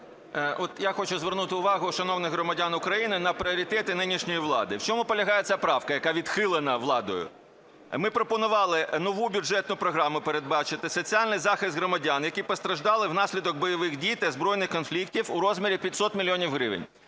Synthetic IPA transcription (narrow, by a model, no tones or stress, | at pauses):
ɔt̪jaxɔt͡ʃʊzʋernut̪ɪʊʋɑɦʊʃɐnɔwnɪɣɦɾɔmɐdʲanʊkɾɐjinɪnɐpɾʲɪɔɾʲit̪ɛt̪ɪnɪnʲiʃnʲɔjiʋlˠɑ̰d̪ɪwt͡ʃɔmʊpɔlʲɐɦɑjet͡sʲapɾɑwkɐjɐkɑʋʲid̪xɪlˠɪnɐʋlˠɑd̪ɔjʊ̰ | mɪpɾɔpɔnʊʋɑlˠɪnɔʋubʲudʒɛt̪nʊpɾɔɦɾɑmʊpeɾed̪̚bɑt͡ʃɪt̪ɪsɔt͡sʲialʲnɪjzɑxɪst̪ɦɾɔmɐdʲanjɐkipɔst̪ɾɐʒd̪ɑlˠɪwnɑsʲlʲid̪ɔɡ̚bɔjɔʋɪxdʲijt̪ɛzbɾɔjnɪxkɔnflʲiktʲiwʊɾɔzmʲeɾʲipʲjɐtʲsɔt̪mʲilʲiɔnʲiwɦɾɪʋɪ̰nʲ